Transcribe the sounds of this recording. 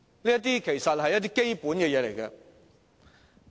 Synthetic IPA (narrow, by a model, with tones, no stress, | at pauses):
liː˥ɐ˥t̪̬iː˥kʰe˨˩jsɐ˨t̚hɐ˨jːɐ˥t̪̬iː˥ke˥jpuː˨˥nkɛː˧jɛː˨˧le˨˩jkɐ˧